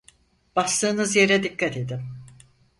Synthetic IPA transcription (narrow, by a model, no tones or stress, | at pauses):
b̥ast̪ˠɯːnɯzje̞ɾɛd̪ikːat̪ʰe̞d̪im